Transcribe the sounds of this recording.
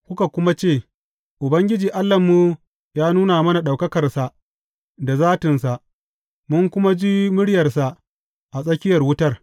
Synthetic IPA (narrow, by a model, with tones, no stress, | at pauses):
kʷʊ˦ka˨kʷʊ˦ma˦t͡ʃeː˦˨ | ʔʊ˨bɐ˦ŋɡʲɪ˦d͡ʒiː˨ʔa˦lːɐ˨mːu˦ | jaː˦nuː˦na˨mɐ˦na˨ɗa˨wkɐ˦kɐ˨rsa˨ʔ | da˨zaː˦tɪ˨nsa˨ʔ | mʊ˦ŋkʷʊ˦ma˦d͡ʒi˦mʊ˦ɽjɐ˨rsa˨ʔ | ʔa˨sʼɐ˦kʲɪ˦jɐ˨rwʊ˦tɐ˦r